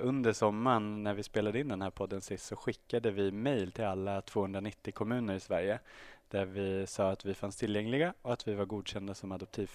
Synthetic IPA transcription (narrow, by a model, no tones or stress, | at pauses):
ɵnd̪əʂɔmːaɳnæɾvɪspeːlad̪əɪnd̪ɛnhæːɾpʰɔd̪ːənsɪst̪sɔɧɪkːad̪əvɪmɛjlt̪ʰɪlalːat̪ʰv̥oːhɵnd̪ɾanɪt̪ːɪkʰɔmʉ̟ːnəɾɪsvæɾjəd̪̥æɾvɪsɑːat̪vɪfanst̪ʰɪljɛŋlɪɡaɔat̪vɪvaɾɡuːd̪ɕɛnd̪asɔmad̪ɔp̚t̪ʰiː